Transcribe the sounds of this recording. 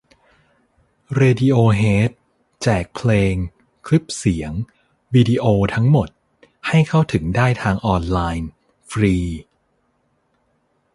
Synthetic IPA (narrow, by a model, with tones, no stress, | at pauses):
ɾeː˧di˧ʔoː˧ɦeː˦˥t̪̚ | t͡ɕɛː˨˩k̚pʰleː˧ŋ | kʰli˦˥p̚si˩˦əŋ | wiː˧diː˧ʔoː˧t̪ʰa˦˥ŋmo˨˩t̪̚ | ha˥˩jkʰa˥˩wt̪ʰɯ˩˦ŋdaː˥˩jt̪ʰaː˧ŋʔɔː˧nlaː˧jn | fɾiː˧